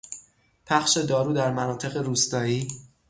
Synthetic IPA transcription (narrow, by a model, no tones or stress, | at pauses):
pʰæχʃe̞d̪ɒːɾuːd̪æɾmænɒːt̪ʰe̞ɣe̞ɾuːst̪ɒːjiː